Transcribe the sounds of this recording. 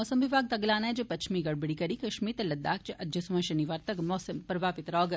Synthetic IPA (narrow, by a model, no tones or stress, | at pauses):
ɔːsɐmʋɪbʱaːɡ̚t̪ɐɡlaːnad͡ʒɐpɐt͡ʃʰmiɡɐɽbiɽikɐɾikɐʃmiːt̪ɐlɐd̪ːaːkt͡ʃʰiɐd͡ʒd͡ʒɐsumɐʃɐniʋaːɾt̪ɐɡmɔːsɐmpɾɐbʱaːpɪt̪ɾɔːɡ